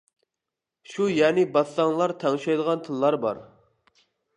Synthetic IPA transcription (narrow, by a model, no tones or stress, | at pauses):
ʃujɛːnɪbɑt̪lɑŋlˠɑɾt̪ʰɛŋʃɑjd̪əʁɑnt̪ʰɨnlˠɑɾbɑ̰ɾ